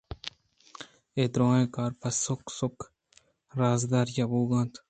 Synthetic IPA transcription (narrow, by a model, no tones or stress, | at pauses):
eːd̪ɾõːẽːkaːɾpɐsʊksʊk | ɾaːzd̪aːɾjabuːɡãːnt̪